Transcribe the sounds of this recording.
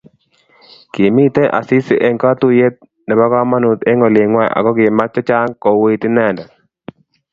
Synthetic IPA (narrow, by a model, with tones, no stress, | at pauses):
ki˨mi˦˨t̪ɛ˦ʔa̰˨sɪ˦sɪ˦ʔɛ˦ŋka˦t̪u˦je˦t̪̚ | nɛ˨ba˦kɔ˦ma˦nu˨t̪e˦ŋɔ˨lɪ˨ŋwɛ˦a̰˨ɡɔ˦ɡɪ˨ma˦t͡ʃːɔ˦t͡ʃa˦ŋkɔ˨we˦i˦t̪ɪ˦nɛ˦˨ndɛ˨